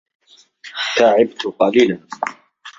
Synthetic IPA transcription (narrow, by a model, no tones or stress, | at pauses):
t̪aːʕɪbt̪ʊqɑliːlan